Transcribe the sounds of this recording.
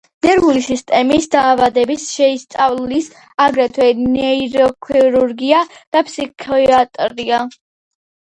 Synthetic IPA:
nɛɾvulisist̪ʼɛmisd̪aːvad̪ɛbisʃɛist̪sʼavlis | aɡɾɛt̪ʰwɛnɛɾɔkʰiɾuɾɡiad̪̥apʰsikʰat̪ʼɾia

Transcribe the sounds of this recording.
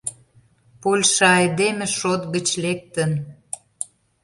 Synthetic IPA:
polʲʃɑɑjd̪emĕʃot̪ɡə̆t͡ɕlek̚t̪ən

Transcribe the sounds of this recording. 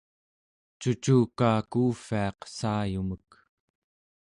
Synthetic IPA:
t͡ʃut͡ʃuːkaːkuːfiɑqsaːjumək

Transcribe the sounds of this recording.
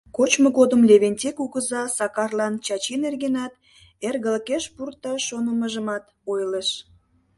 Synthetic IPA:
kot͡ɕməɣod̪əmlʲeβenʲtʲekuɣəzɑsɑkɑrlɑnt͡ɕɑt͡ɕinerɣenɑt̪ | erɣəlkeʃpurt̪ɑʃonəməʒəmɑt̪ | ojləʃ

